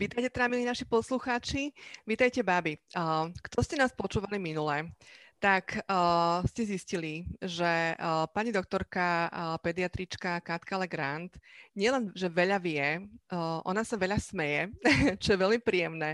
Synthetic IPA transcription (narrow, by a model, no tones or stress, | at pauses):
ʋiːt̪ajcɛt̪ɛɾamilinaʃipɔsluxaːt͡ʃiʋiːt̪ajcɛbabikt̪ɔscɛnaːspɔt͡ʃuːʋaliminulɛt̪ak | scɛzisciliʒɛpaɲid̪ɔkt̪ɔɾkapɛd̪iat̪ɾit͡ʃkakat̪kalɛɡɾant̪ɲɪɛlɛnʒɛʋɛʎaʋɪɛ | ʔɔ̰nasaʋɛʎasmɛjɛt͡ʃɔjɛʋɛlmipɾiːjɛmnɛ